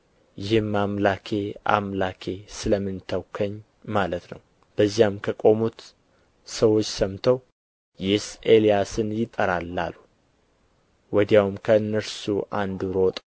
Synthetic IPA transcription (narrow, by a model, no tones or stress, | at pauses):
jɪhmːamlakʰe̞ʔa̰mlakʰe̞sɨləmɨnt̪ʰəwkʰəɲː | malət̪nə̰w | b̥əzijamkʰəkʼo̞mut̪ | səwo̞t͡ʃːsəmt̪ʰəw | jɪsʔelijasɨnjɪt̪ʼːəɾalːa̰lu | wɔd̪jawmkʰəɨnːəɾsuʔand̪ɾo̞t̪ʼ